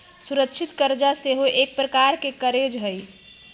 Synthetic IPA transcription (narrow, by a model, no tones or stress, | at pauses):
suɾəkʃʰɪt̪kəɾd͡ʒaseɦoʔeːk̚pɾəkaɾkekəɾed͡ʒɦəi